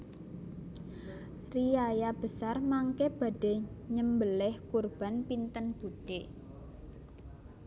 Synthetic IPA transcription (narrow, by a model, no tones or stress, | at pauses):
riajab̥ə̤sarmaŋkeb̥a̤ɖ̥eɲəmbəlɛhkurb̥a̤npint̪ənb̥ud̥e